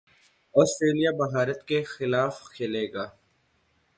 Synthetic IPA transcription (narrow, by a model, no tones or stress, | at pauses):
ɔːsʈɾeːlijabɐɦaːɾət̪kexɪlaːfkʰeːleːɡaː